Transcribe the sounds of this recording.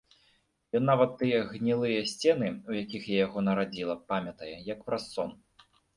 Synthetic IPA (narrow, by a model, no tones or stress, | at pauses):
jɔnːavɐt̪ːɨjɛɣnʲilˠɨjɐsʲt͡sʲɛn̪ɨujakʲixjajaɣɔnɐɾad͡zʲilˠɐpamʲɐt̪ɐjɛjɐkpɾasɔn